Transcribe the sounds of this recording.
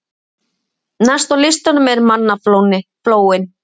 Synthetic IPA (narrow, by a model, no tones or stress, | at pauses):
nast̪awlɪst̪anʏmɛɾmanːaflownɪfloːwɪn